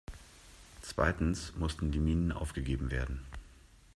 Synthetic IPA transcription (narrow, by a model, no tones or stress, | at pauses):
t͡sv̥a̰ɪtn̩smʊstn̩diːmiːnənʔa̰ʊfɡ̥əɡeːbm̩vḛːɐdn̩